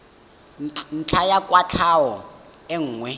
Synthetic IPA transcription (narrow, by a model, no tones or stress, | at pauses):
n̩t͡ɬʰajakʼwat͡ɬʰawɔ | eŋ̩ːŋwɛ